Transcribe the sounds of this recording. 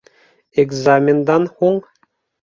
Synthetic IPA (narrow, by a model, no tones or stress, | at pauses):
eɡzamʲend̪ɑnχuŋ